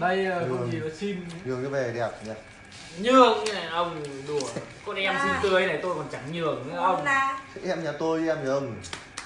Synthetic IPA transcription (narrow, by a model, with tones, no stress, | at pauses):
a˧˩ji˧˨si˧nɲɨ˨˩əŋ̚ɲa˨˦vɛ˨˩ɗɛ˨˩p̚ɲa˨˩ | ɲɨ˨˩əŋ̚a˨˩ʔə˧wŋ͡mɗu˧˩əkɔ˧nʔɛ˧msi˧nt̪ɨ˨˩ə˧jna˨˩jt̪o˧jkɔ˨˩nt͡ɕa˧˩ŋɲɨ˨˩əkŋ̚˧˦˧ə˧wŋ͡mʰʔɛ˧mɲaː˨˩t̪o˧jʔɛ˧mɲa˧˩˨ə˧˩ŋ͡m